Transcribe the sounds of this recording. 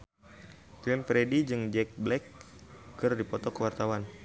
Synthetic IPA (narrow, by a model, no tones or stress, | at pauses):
t̪uɛnfɾedid͡ʒɨŋd͡ʒɛk̚blɛkː | ɨrdipɔt̪ɔkəwart̪awan